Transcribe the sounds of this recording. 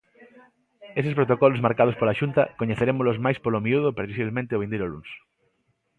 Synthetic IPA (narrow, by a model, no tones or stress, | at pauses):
esespɾot̪okɔlozmaɾkað̞ospolaʃunt̪akoɲeθeɾemolozmajspolomiuð̞opɾeðis̬iβlemẽnt̪eoβend̪ejɾolṵns